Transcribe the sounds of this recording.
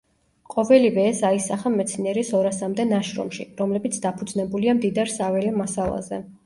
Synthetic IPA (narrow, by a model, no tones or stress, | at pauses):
qʼɔvɛlivɛːsaisaχamɛt̪sʰniɛɾisɔɾasamd̪ɛnaʃɾɔ̰mʃḭɾɔmlɛbit̪sʰd̪apʰud̪znɛbuliamd̪id̪aɾsavɛlɛmasalˠa̰zɛ